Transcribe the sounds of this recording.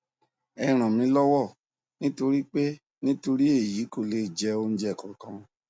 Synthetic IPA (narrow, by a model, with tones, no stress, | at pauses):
ɛ˧ɾ̃ã˨mĩ˧˦lɔ˦wɔ˦˨ | nĩ˦to˧ɾi˦k͡pe˦ | nĩ˦to˧ɾi˦e˦˨ji˨˦ko˦˨le˧˨d͡ʒɛ˧˦o˧n̩˦d͡ʒɛ˦˨kɔ̃˨kã˧